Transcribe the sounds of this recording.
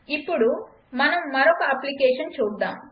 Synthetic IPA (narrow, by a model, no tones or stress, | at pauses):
ipːuɽu | mɐnɐmːɐɾɔkɐɐplikɛːʂɐnt͡ʃuːd̪ːa̰ːm